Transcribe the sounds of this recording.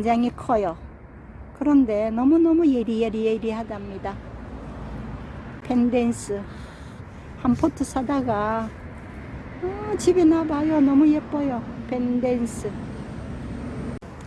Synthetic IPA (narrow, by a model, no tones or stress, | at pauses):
d͡ʑaŋikʰʌjo | kɯɾʌnde̞nʌmunʌmujeɾijeɾijeɾiɦadamɲida | pʰendensʰɯ | hampʰotʰɯs͈ʰadaɡa | ʌt͡ɕibinabajonʌmujep͈ʌjopʰendensʰɯ